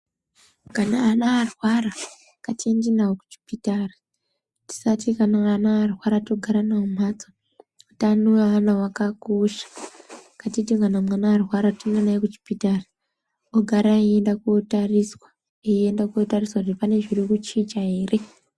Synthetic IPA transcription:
kanaːnaːrwaɾa | katʰindinawoku̥t͡ʃi̥pitari | ti̥satikanaːnaːrwaɾatoɡʱaɾanaumat͡so | otanuaʋanawakakoʃḁkatitiŋɡanamwanaaruwaɾatinɡanaekut͡ʃi̥pitara | oɡʱaɾaeendakuotariswa | eendakuotariswaʐtipane̞ʐirikut͡ʃit͡ʃaeːre

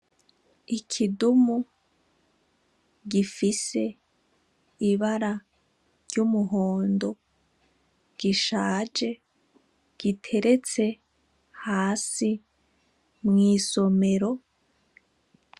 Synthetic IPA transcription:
ikʰidumu | ɡifise̞ | iβaɾa | ɾɟumuɦo̞ːndo̞ | ɡ̥iʃaːd͡ʒe̞ | ɡ̥itʰe̞ɾe̞t͡se̞ | haːsi | mŋiːso̞me̞ɾo̞

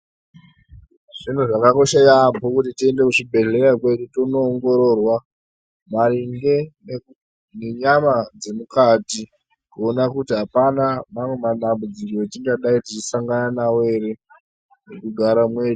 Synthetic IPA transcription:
ʐ̥in̤uʐakako̞ʃajaːmbokutitie̞nde̞kuʂibʱe̞ɮe̞ɾakwe̞ɗutonoːŋɡo̞ɾo̞ːrwa | mariŋɡe̞ | neɲamad͡ze̞mukati | kuonakutiɦapanamamwe̞maɗambud͡zikoetiŋɡaɗaitit͡ʃisaŋɡananawe̞ɾe | nekuɡʱaɾamwe̞ːɗu

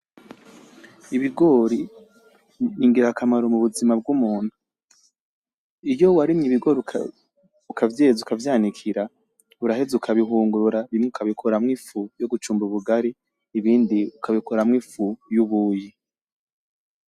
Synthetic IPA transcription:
iβiɡo̞ːɾi | niŋɡiɾakʰamaɾomuβuzimab̚ɡumuːnhu | ijo̞waɾimɲiβiɡo̞ːɾi | ukʰavjeːzukavjaːnikʰiɾa | uɾahezukʰaβiɦuːŋɡuɾuɾaβimŋeukʰaβikʰoɾamŋiːfujoɡut͡ʃuːmbuβuɡaɾiː | βiːndiukʰaβikʰoɾamŋifujuβuji

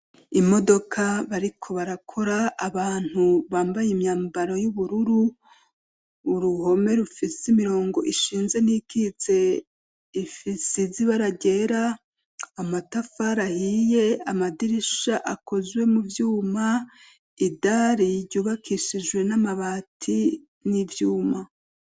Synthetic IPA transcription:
imo̞do̞kʰaβaɾikʰo̞βaɾakʰo̞ɾaːβaːn̥huβaːmbajimɲaːmbaɾojuβuɾuɾu | ɾuho̞me̞ɾufiseimiɾo̞ːŋɡo̞ʔiʃiːnze̞nikʰit͡se̞ | ifisiziβaɾaɟe̞ɾaː | matafaɾahije̞amadiɾiʃaʔako̞zwe̞muvjuːma | idaɾiɾɟuːβakʰiʃid͡ʒɡwe̞namaβatʰi | nivjuːma

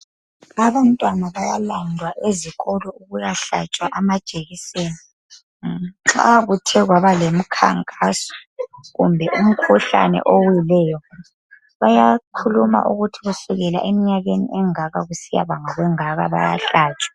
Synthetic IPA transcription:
aβantʼwanaβajalandʱwaʔeziɣɔlɔuɣujaɬa̰t͡ʃʼwaʔamad̥ʒ̥ʱʼeɣiseːni | ŋ͡ǁa̰ɣutʰɛɣwaβalem̩kʰa̰ŋkʼasɔ̥ɣumbʱɛʔum̩kʰuɬa̰nɛ̰ʔowjilɛːjɔ | βajakʰuluma̰ʔuɣutʰiɣusuɣɛla̰ʔemiɲaɣenḭʔɛŋaɣaɣusija̰βaŋaɣwɛŋaɣa̰βa̰ja̰ɬaːt͡ʃʼwḁ

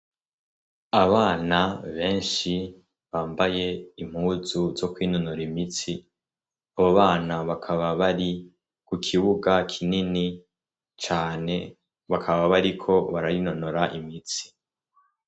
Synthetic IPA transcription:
aβaːnaβe̞ːnʃi | βaːmbaje̞im̥huːzuzo̞kwiːnunuɾimit͡si | aβoβaːnaβakʰaβaβaɾi | kukʰiβuɡakʰinini | t͡ʃaːne̞ | βakʰaβaβaɾikʰo̞βaɾaɾino̞noɾaʔimit͡si̥

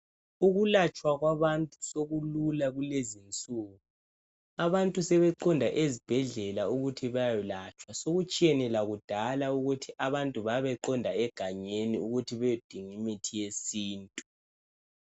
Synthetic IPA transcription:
uɣulat͡ʃʼwaɣwaβantʼusoɣululaɣulezint͡sʼuːɣu | aβantʼusɛβɛǃɔndʱaʔezib̥ʱɛɮɛlauɣutʰiβajajulat͡ʃʼwasoɣut͡ʃʼiɛnɛlaɣud̥ʱalauɣutʰiaβantʼuβaβɛǃɔndʱaɛɡ̥ʱaɲeniuɣutʰiβɛjod̥ʱiŋimitʰijesiːntʼu

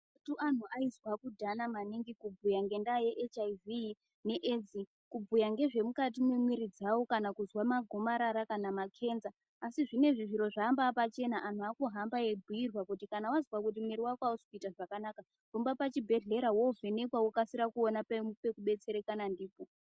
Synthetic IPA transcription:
tuʔan̤uʔaizwakudʱanamaniŋɡikubʱujaŋɡe̞ndajeʔet͡ʃaivi | ne̞ʔed͡zi | kubʱujaŋɡe̞ʐe̞mukat̬imwemwiɾid͡zawokanakuzwamaɡʱo̞maɾaɾakanamakʰe̞ːnzaː | siʐine̞ʐiʐiɾo̞ʐaːmbapat͡ʃe̞naʔan̤uakuɦambaebʱuirwakutikanawazwakut̬imwiɾiwakwaɦospitaʐakanaka | kumbapat͡ʃibʱe̞ɮe̞ɾawove̞ne̞kwawukasiɾakuonappe̞kuɓe̞t͡se̞ɾe̞kanandiːpo

